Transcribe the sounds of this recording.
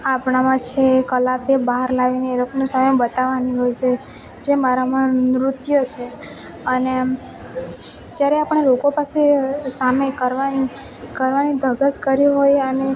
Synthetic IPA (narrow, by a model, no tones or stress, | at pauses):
apɳamãt͡ʃʰekəlat̪ebaɦaɾlaʋineːɾoknũsəməbət̪aʋaniɦojt͡ʃʰe | d͡ʒemaɾamãɾʊt̪jət͡ʃʰe | əne | d͡ʒjaɾeapəɳ̃elokopasesamekəɾʋani | kəɾʋanid̪ʱəɡəskəɾiɦojəne